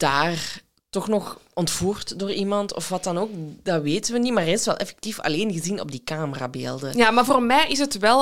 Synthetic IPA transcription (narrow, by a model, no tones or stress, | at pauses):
d̥aːr | tɔxnɔx | ɔntfuːrtdoːrimɑntʰɔ̰fʋɑtɑnoːkdaʋeːtənʋənimaːrɪstʋɛlˠʔɛ̰fɛ̥k̚tifɑ̰leːnɣəzinɔ̰b̚dikaːməra̰ːbḛːlˠdəjaːmaːrvoːrmɛjʔɪsətʋɛlˠ